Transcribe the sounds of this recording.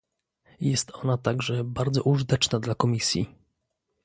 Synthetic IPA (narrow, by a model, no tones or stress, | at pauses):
jɛst̪ɔnat̪aɡʐɛbaɾd̪zɔʔuʐɨt̪ɛt͡ʂnad̪lakɔmʲisʲjḭ